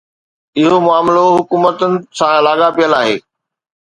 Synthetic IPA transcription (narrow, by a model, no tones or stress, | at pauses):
ɪɦomʊaːmloɦʊkuːmət̪ənɪ̆sãɪlaːɡapijəlaːɦeː